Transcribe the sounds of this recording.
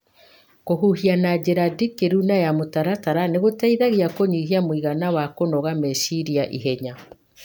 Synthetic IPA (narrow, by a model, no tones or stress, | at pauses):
koɦuhianad͡ʑeɾadikeɾunajamotaɾataɾaneɣotaiðaɣiakoɲiɦiamwiɣanawakonɔɣamesiɾiaʔḭɦɛɲa